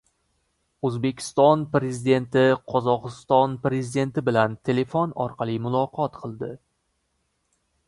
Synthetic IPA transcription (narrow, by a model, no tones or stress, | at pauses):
ɵzbe̞kʲʰɪ̥st̪ɒnpɾe̞zid̪e̞nt̪ɪqʰɒzɒqɨst̪ɒnpɾe̞zid̪e̞nt̪ɪbɪlant̪ʰe̞le̞fonɒ̰ɾqʰɑlˠimʊlˠɒqʰɒt̪qʰɨlˠd̪ɪ